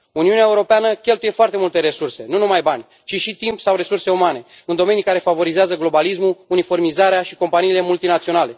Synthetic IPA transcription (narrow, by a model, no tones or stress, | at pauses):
uniuneaeuɾo̞peanəkʲe̞lt̪uje̞foart̪emult̪e̞ɾe̞surse̞nunumajbanʲ | t͡ʃiʃit̪impsawre̞surse̞umane̞ɨnd̪o̞me̞nikaɾe̞favo̞ɾizeazəɡlo̞balismuunifo̞rmizaɾeaʃiko̞mpaniːle̞mult̪inat̪sio̞nale̞